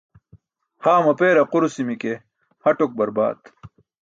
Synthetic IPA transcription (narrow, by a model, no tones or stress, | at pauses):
haːmɐpeːɾɐquɾusimike | hɐʈok̚bɐɾba̰ːt̪